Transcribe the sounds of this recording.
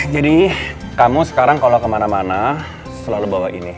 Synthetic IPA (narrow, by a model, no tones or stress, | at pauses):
d͡ʒadikamusə̥kaɾaŋkalokəmanamana | səlalubawaʔḭni